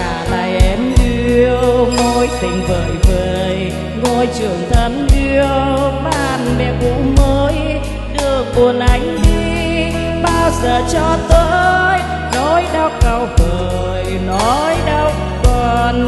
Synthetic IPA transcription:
aː˧˩laː˧˨˩jʔɛ˨˧˦mɗi˧əwwŋo˧˦jt̪ï˨˩ŋ̟vəː˨˩jveəː˨˩j | ŋo˧jt͡ɕɨ˨˩əŋt̪ʰə˨˦nɗi˧əmaː˧˩nɓɛ̰˧˩kṵ˧˥məː˨˦j | ɗɨ˧˩ək̚mu˨˩ənʔa˨˦jŋ̟ɗi˧ | ɓaː˧wzəː˨˩t͡ɕɔ˧t̪əː˧j | ɗo˨˦jɗə˧wkə˧˩wvəː˨˩ | j | nɔ˨˦jɗə˧w | kɔ˨˩n

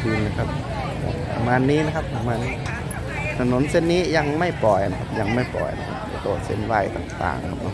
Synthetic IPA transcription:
kʰɯː˧˨nːa˧˩kʰa˧p̚ | ka̰˧˩pa̰˨˧maː˧nːiː˦˥na˧kʰa˦˥ppa˨˧maː˧niː˧˥ | t̪ʰa˧no˨˦nse˧˥˨nːiː˦˥ja˧˩ŋma˥˩jpɔ˨˩jna˧kʰa˧p̚ja˧˩ŋma˥˩jpɔ̰˨˩jna̰˧kʰa̰˧˥p̚a̰˧˩t̪o˧˩t̪̚sḛ˧˥˨nwa˧˩jt̪a̰ː˨˩ŋt̪a̰ː˨˩ŋkʰa˦˧p̚nɔ˧

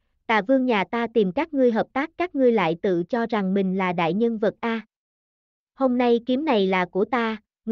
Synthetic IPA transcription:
t̪a̰ː˧˨vɨ˧əŋɲaː˨˩t̪aː˧t̪i˨˩mkaː˦˥k̚ŋɨ˧əjɦəː˨˩p̚t̪aː˦˥kːaː˦˥k̚ŋɨ˧əjla̰ː˧˨jt̪ɨ̰˧˨t͡ɕɔ˧za˨˩ŋmï˨˩ŋ̟laː˨˩ɗa̰ː˧˨jɲə˧nvə˨˩t̚ʔaː˧ | ho˧mna˧jki˨˦əmna˨˩jlaː˨˩ku˧˩ət̪aː˧ | ŋ

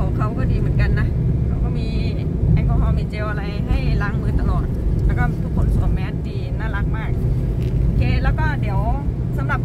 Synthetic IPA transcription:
a˨˩˨kʰa˧˩wkɔː˧˩diː˨mɯː˨˦nka˧nːa˧kʰa˨˧˩wkɔː˧˩miː˧˥ | ha˧˩kʰɔː˧˩˦ha˧˩wmiː˧˦t͡ɕeː˧wʔa˧la˧jha˥˩jlaː˧˥˦ŋmɯː˧t̪a˧˨lɔː˨˩t̪̚lɛː˧˥˩kɔː˧˩m˧t̪ʰu˧kʰːo˧˦nsu˧˦nmɛː˧nt̪iː˧naː˧˥˩la˧k̚maː˧˩k̚ | keː˧˩lɛː˧˥˩wkɔː˧˥˩di˨˦əw | sa˨˦mla˨˩p̚

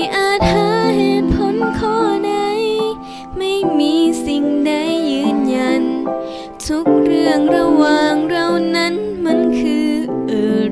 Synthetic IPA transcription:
ʔaː˧˩t̪̚haː˨˧˦ha˧˩jpʰo˧˦˥nkʰɔː˧˥˩da˧˩j | ma˥˩jmiː˧˥si˨˩ŋda˧˩jːɯː˧˥nja˧˩n | t̪ʰu˦˥k̚ɾɯ˧˩əŋɾa˧waː˧˩ŋɾa˧wna˦˥˨nma˧˥˨nkʰɯː˧ʔɤː˧˩

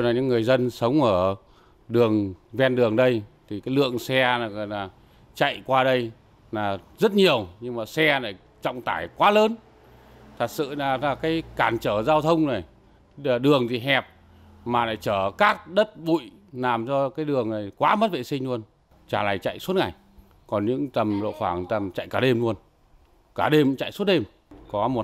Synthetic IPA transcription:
naː˨˩ɲɨ̰˧˥ŋːɨ˨˩əjzə˧nsə˨˦wŋ͡mʔəː˧˩ | ɗɨ˨˩əŋvɛ˧nɗɨ˨˩əŋɗə˧jt̪ʰi˨˩kaː˨˦jlɨ̰˧˨əŋsɛ˧naː˨˩ɣɔ̰˧˨nlaː˨˩ | t͡ɕa̰˧˨jkwaː˧ɗə˧j | naː˨˩zə˦˥t̚ɲi˨˩əwɲɨ˧ŋmaː˨˩sɛ˧naː˨˩j | t͡ɕɔ̰˧˨wŋ͡mt̪aː˧˩jkwaː˨˦ləː˨˦n | t̪ʰa˨˩k̚sɨ̰˧˨laː˨˩˦laː˨˩kaː˨˦jkaː˧˩nt͡ɕəː˧˩zaː˧wt̪ʰə˧wŋ͡mna˨˩j | aː˨˩ɗɨ˨˩əŋt̪ʰi˨˩ɦɛ˨˩p̚ | maː˨˩laː˨˩jt͡ɕəː˧˩kaː˦˥k̚ɗə˦˥t̚ɓṵ˧˨j | laː˨˩mt͡ɕɔ˧kaː˨˦jɗɨ˨˩əŋna˨˩jkwaː˨˦mə˦˥t̚vḛ˧˨sï˧ŋ̟lu˧ən | t͡ɕaː˧˩la̰ː˨˩jt͡ɕa̰˧˨jsu˦˥t̚ŋa˨˩j | kɔ˨˩nɲɨ̰˧˥ŋt̪ə˨˩mlo̰˧˨xwaː˧˩ŋt̪ə˨˩mt͡ɕa̰˧˨jkaː˧˩ɗe˧mlu˧ən | kaː˧˩ɗe˧mt͡ɕa̰˧˨jsu˦˥t̚ɗe˧m | kɔ˨˦mo˨˩

